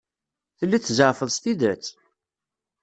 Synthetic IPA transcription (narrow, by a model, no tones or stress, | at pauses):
θəlːiθzəɾfəðˤst̪id̪æt͡s